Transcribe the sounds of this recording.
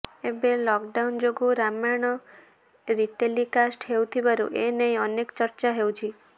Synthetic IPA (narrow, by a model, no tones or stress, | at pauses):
ebelɔkɖawnd͡ʒoɡuɾamaɽ̃ɔ | ɾiʈelikasʈɦewt̪ʰibaɾṵʔenejɔnekt͡ʃɔɾt͡ʃaɦewt͡ʃʰi